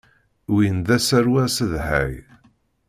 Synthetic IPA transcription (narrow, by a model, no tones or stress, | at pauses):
winðæsæɾwæsəðhæ̰j